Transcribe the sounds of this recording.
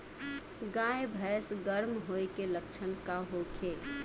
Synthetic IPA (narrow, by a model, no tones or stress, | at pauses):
ɡaːebʱɛːsɡəɾmɦoːekeləkʃʰənkaɦokʰeː